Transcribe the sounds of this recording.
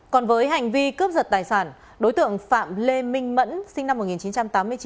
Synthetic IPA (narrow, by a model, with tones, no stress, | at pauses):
kɔ˨˩nvəː˨˦jɦa˨˩jŋ̟vi˧kə˦˥əp̚zə˨˩t̚t̪aː˨˩jsaː˧˩n | ɗo˨˦jt̪ɨ̰˧˨əŋfa̰ː˧˨mle˧mï˧ŋ̟mə̰˧˥nsï˧ŋ̟na˧mːo˨˩t̚ŋi˨˩nt͡ɕi˨˦nt͡ɕa˧mt̪aː˨˦mːɨ˧ət͡ɕi˨˦